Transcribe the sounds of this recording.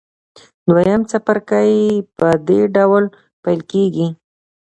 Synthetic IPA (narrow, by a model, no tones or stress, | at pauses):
d̪wajamt͡sapaɾkajpəd̪eɖawl | pajlkeɡi